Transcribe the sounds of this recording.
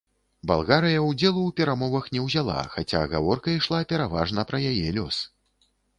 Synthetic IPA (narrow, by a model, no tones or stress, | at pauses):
ba̰lˠɣaɾɨjɐwd͡zʲɛlˠuwpʲɛɾamɔvɐxnʲɛwzʲalˠa̰xat͡sʲa̰ɣa̰vɔrkɐiʂlˠapʲɛɾava̰ʐnɐpɾɐjajɛlʲɔ̰s